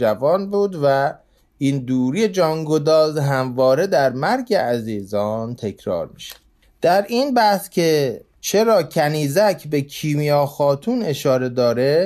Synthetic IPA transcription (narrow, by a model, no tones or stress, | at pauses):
d͡ʒævɒːnbuːd̪væ | iːnd̪uːɾijed͡ʒɒːŋɡod̪ɒːzɦæmvɒːɾe̞d̪æɾmæɾɟeʔæziːzɒːnt̪ʰe̞cʰɾɒ̰ːɾmiːʃæ̥ | d̪̥æɾiːnbæhscʲʰe | t͡ʃʰe̞ɾɒːcʰæniːzæcʰbe̞kʰiːmijɒːxɒːt̪ʰuːne̞ʃɒːɾe̞d̪ɒːɾe